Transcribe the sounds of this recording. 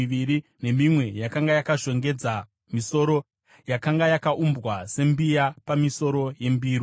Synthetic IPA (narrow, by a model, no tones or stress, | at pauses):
ʋiɾine̞mimwe̞jakaŋɡajakaʐo̞ŋɡe̞d͡za | miso̞ɾo̞ | jakaŋɡajakaʔumbɣwase̞mbijapamiso̞ɾo̞je̞mbiːɾi